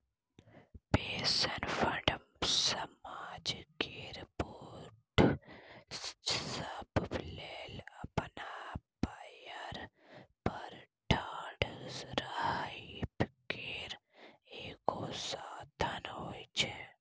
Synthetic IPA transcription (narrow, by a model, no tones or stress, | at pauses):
peːsənfəɖəmsɐmaːd͡ʒkeɾbuʈ | səbblelɐpnapajəɾpɐɾʈʰaːɖzɾahipkeːɾeːkoːsaːt̪ʰənɦoːit͡ʃʰe